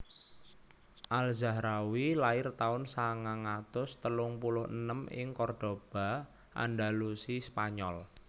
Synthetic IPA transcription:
ʔalzahɾawilaɪrt̪aʊnsaŋaŋat̪ʊst̪əlʊŋpulʊhənəmɪ̰ŋkɔrd̥o̤b̥a̤ | ʔa̰nɖalusispaɲɔl

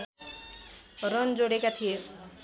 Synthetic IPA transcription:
ɾɔnd͡ʒoɽekat̪ʰie

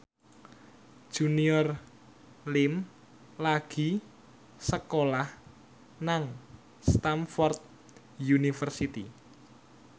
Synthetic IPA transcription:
d̥ʒ̥uniɔr | lɪm | laɡ̥i̤ | səkolah | naŋ | st̪amfɔrt̪̚ | junifərsit̪i

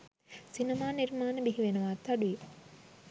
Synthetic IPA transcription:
sinəmaːnirmaːnəbiɦiʋenuʋaːt̪aɖui

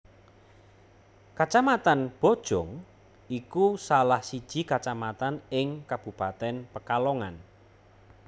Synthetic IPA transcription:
kat͡ʃamat̪anb̥o̤d̥ʒ̥ɔŋ | ikusalahsid̥ʒ̥i̤kat͡ʃamat̪anɪŋkab̥ṳpat̪ɛnpəkalɔŋan

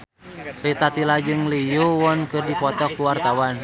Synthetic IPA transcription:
lit̪at̪ilad͡ʒɨŋlijowɔnkɨrdipɔt̪ɔkuwart̪awan

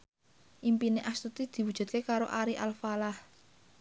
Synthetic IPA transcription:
ʔimpineʔast̪ut̪id̪̥i̤wud̥ʒ̥ṳt̪̚kekaɾoʔaɾiʔalfalah

